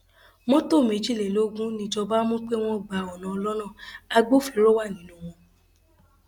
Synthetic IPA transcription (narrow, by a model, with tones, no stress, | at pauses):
mɔ̃˦to˦˨mẽ˨˦d͡ʒi˦˨ɛ˨lo˦ɡũ˦nĩ˧d͡ʒɔ˧ba˦mũ˦k͡pe˦w̃ɔ̃˦˨ɡ͡ba˨ɔ˨nã˨ɔ˧lɔ˦nã˦˨a˧ɡ͡bo˦˨fi˨˦ɾo˦wa˦˨nĩ˨˦nõ˦w̃ɔ̃˧